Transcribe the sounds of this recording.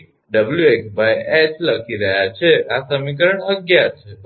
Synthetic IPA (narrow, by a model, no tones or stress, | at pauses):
ɖəbljueksbajet͡ʃləkʰiɾəɦjat͡ʃʰeasəmik̬əɾəɳəɡjat͡ʃʰe